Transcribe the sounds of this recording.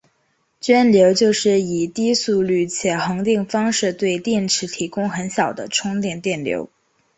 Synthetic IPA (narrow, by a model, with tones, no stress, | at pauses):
t͡ɕɥɛ˥nljo˧˥ʊt͡ɕjo˥˧ʊʂɻ̩˥˩i˨˩t̪i˥su˥˧ly˥˩t͡ɕʰjɛ˨˩xɤ˧˥ŋt̪i˥˩ŋfɑ˥ŋʂɻ̩˥˧t̪we˥˧ɪt̪jɛ˥˩nʈ͡ʂʰɻ̩˧˥t̪ʰi˧˥kʊ˥ŋxə˧˥nɕjɑ˨˩ʊd̪ə˦ʈ͡ʂʰʊ˥ŋt̪jɛ˥˩nt̪jɛ˥˩nljo̰˧˥ʊ